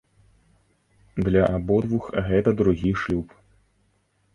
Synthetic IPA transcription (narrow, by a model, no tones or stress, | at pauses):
d̪lʲɐʔabɔd̪vuxɣɛt̪ɐd̪ɾuɣʲiʂlʲup